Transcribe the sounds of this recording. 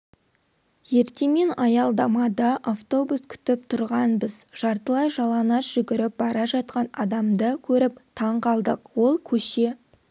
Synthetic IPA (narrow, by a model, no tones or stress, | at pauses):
je̞ɾt̪e̞me̞nɑjɑlˠd̪ɑmɑd̪ɑʔaft̪o̞buskʲʰʏ̥t̪ɪp̚t̪ʰʊɾʁɑnbəzʒ̥ɑɾt̪əlˠɑjʒɑlˠɑnɑsʒ̥ʏɡʲɪɾɪp̚bɑɾɑʒɑt̪̚qɑnɑd̪ɑmd̪əkʲʰɵɾɪpt̪ʰɑɴqʰɑlˠd̪əqwo̞lˠkʲʰɵʃe̞